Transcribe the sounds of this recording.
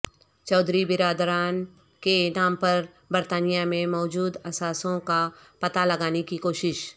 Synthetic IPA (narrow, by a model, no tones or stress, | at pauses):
t͡ʃɔːd̪ʱɾibɪɾaːd̪ɾaːn | kenaːmpɐɾ | bɐɾt̪aːnijamẽmɔːd͡ʒuːd̪ɐsaːsõka | pɐt̪alɐɡaːnekikoːʃɪʃ